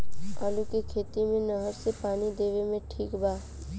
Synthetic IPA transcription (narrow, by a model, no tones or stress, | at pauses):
aːlukikʰeːt̪imẽnəɦəɾsepaːnid̪eːʋemẽʈʰiːkbaː